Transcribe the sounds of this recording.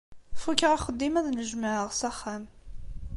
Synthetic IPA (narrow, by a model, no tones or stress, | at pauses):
fukːəʁaχəd̪ːimæðnəʒməʕəʁsæχːæm